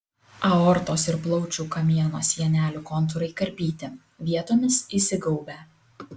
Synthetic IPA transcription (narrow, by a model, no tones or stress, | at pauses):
ɐɔɾt̪oːsɪɾblˠɒʊt͡ʃʲuːkɐmʲiɛnoːsʲiɛnʲæːlʲuːkɔnt̪̬ʊɾɐɪkɐɾʲbʲiːt̪ʲɪ | ʋʲiɛt̪oːmʲɪsisʲɪɡɐʊbʲæː